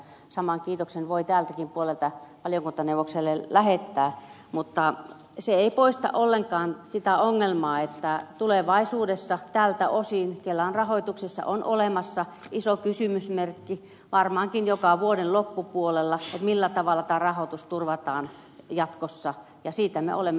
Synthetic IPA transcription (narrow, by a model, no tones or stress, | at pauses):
sɑmɑŋkiːt̪oksenʋoit̪æːlt̪ækimpuolelt̪ɑpɑljoŋkunt̪oneuʋokselːelæhet̪ːæː | mut̪ːɑ | seeipoist̪ɑ̰ʔolːeŋkɑːnsit̪æoŋːelmɑːet̪ːæt̪uleʋɑisuːdesːɑt̪æːlt̪æʔosinkelːæonrɑhoit̪uksesːɑ̰ʔonʔolemɑsːɑ | isokysymysmerkːi | ʋɑrmɑːŋkinjokɑʋuodenlopːupuolelːɑet̪milːæt̪ɑʋɑlːˑɑt̪æːrɑhot̪ust̪urʋɑt̪ɑːn | jɑt̪kosːɑ | jɑsiːt̪æmḛʔo̰lemːe